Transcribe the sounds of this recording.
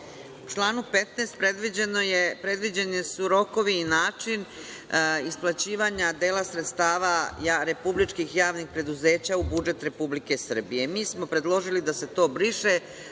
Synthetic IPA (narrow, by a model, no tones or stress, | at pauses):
ut͡ʃlˠaːnupe̞t̪nest̪̚pɾe̞d̪ʋid͡ʑe̞no̞je̞pɾe̞d̪ʋid͡ʑenisuɾo̞ko̞ʋiːnaːt͡ʃin | isplˠat͡ɕiːʋaɲad̪eːlasɾet̪st̪aːʋajaɾe̞publit͡ʃkixjaːʋnixpɾe̞d̪uze̞ːt͡ɕaubud͡ʒe̞t̪ɾe̞publike̞sr̩bije̞miːsmo̞pɾe̞d̪lˠo̞ʒilid̪ase̞t̪o̞ːbɾiʃe̞